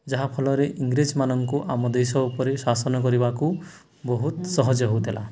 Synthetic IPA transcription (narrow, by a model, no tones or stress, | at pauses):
d͡ʒaɦapʰɔlɔɾeʔiŋɡɾed͡ʒmanɔŋkuʔamɔd̪esɔupɔɾesasɔnɔkɔɾibaku | bɔɦut̪sɔɦɔd͡ʒɔɦowt̪ʰila̰